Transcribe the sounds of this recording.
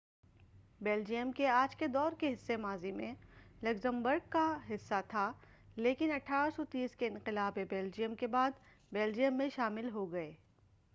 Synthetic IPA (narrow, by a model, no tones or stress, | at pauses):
bɛːld͡ʒijəmkeaːd͡ʒked̪ɔːɾkeɦɪsːemaːzimẽlɐɡzə̃mbəɾɡkaɦɪsːat̪ʰaː | leːkɪnɐʈʰːaːɾsɔt̪iːskeɪ̃nqɪlaːbebɛːld͡ʒijəmkebaːd̪ | bɛːld͡ʒijəmːẽʃaːmɪlɦoɡɐeː